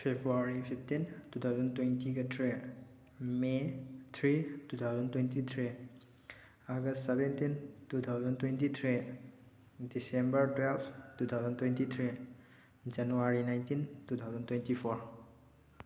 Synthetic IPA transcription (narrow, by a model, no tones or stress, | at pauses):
pʰebɾuaɾipʰip̚ʰtintutʰawzɔntwejntiɡetʰɾe | metʰɾitutʰawzɔntwejntitʰɾi | aɡɐstsebentintutʰawzɔntwejntitʰɾi | disembɐɾtwelstutʰawzɔntwejntitʰɾi | d͡ʒanuaɾinajntintutʰawzɔntwentipʰɔɾ